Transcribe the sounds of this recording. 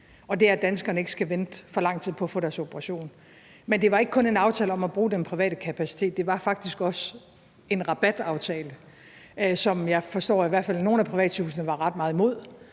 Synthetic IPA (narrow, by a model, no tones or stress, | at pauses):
ɒ̽d̥e̝æd̥ænsɡ̥ɐnəe̝ɡ̥ə̥sɡ̥æʋen̥fɒ̽lɑ̈ŋ̰t͡sʰið̰ˠpʰɒ̽æfɔ̰̽ːɾ̥æɐso̝b̥əʁɑ̈ɕo̝̰ːn | mend̥e̝ʋɑ̈e̝ɡ̥ə̥kʰɔ̽ne̝nɑ̈ʊt͡sʰɛ̰ːləɒ̽mæb̥ʁuːd̥empʰʁiʋɛ̰ːɾ̥əkʰæpʰæsi̥t͡sʰe̝̰ːd̥ːe̝ʋɑ̈fɑ̈ɡ̥̚d̥isɡ̥ɒ̽s | e̝nʁɑ̈b̥æd̥ɑ̈ʊt͡sʰɛːlə | sɒ̽mjɑ̈ɪfɒ̽sd̥ɒ̰ːiʋæɐ̥fælno̝ːn̩æpʰʁiʋɛ̰ːd̥t͡sʰṵːsənəʋɑ̈ʁɑ̈d̥̚mɑ̈ːð̩ˠimo̝ð̞̰ˠ